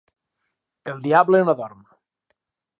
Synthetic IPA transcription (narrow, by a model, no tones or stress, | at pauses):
elˠd̪iablenɔðɔrm